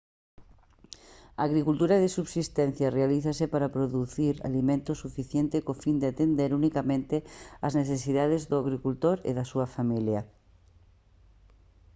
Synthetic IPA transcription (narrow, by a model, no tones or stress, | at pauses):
aːɣɾikult̪uɾaðesuβsist̪ɛ̃n̟θjarealiθasepaɾapɾoðuθiɾa̰limẽnt̪osufiθjent̪ekofind̪eat̪end̪eɾunikamẽnt̪eazneθesiðaðezðʊaɣɾikult̪oɾḛðasuɐfamilja